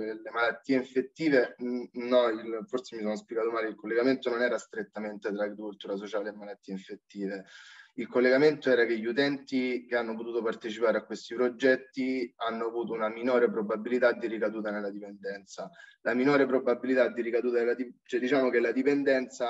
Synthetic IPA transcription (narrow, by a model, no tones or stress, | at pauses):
elemalat̪ːiːeiɱfet̪ːiːvenɔilforsemis̬oːnospjeɡaːt̪omaːleilkolːeɡament̪ononɛːɾast̪ɾet̪ːament̪et̪ɾaːɡɾikult̪uːɾas̬ot͡ʃaːleːmːalat̪ːiːeiɱfet̪ːiːveilkolːeɡament̪oɛːɾakeʎːut̪ɛnt̪ikeanːop̬ot̪uːt̪opart̪et͡ʃipaːɾeakːwest̪ipɾod͡ʒɛt̪ːianːoavuːt̪ounaminoːɾep̬ɾobabːilit̪ad̪ːiɾikad̪uːt̪anelːad̪ipend̪ɛnt̪salaminoːɾepɾobabilit̪ad̪ːiɾikad̪uːt̪anelːad̪it͡ʃɛd̪it͡ʃaːmokelːad̪ipend̪ɛnt̪sa